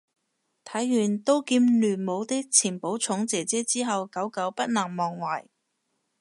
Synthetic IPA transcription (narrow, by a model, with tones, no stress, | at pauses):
t̪ʰɐ˨˥jːyː˨˩nt̪o˥wkiː˧mlyː˨˩nmo˨˧wt̪ɪ˥k̚t͡sʰiː˨˩npo˨˥wt͡sʰʊ˨˥ŋt͡sɛː˨˩t͡sɛː˨˥t͡siː˥ɦɐ˨wkɐ˨˥wkɐ˨˥wpɐ˥t̚naː˨˩ŋmɔː˨˩ŋwaː˨˩j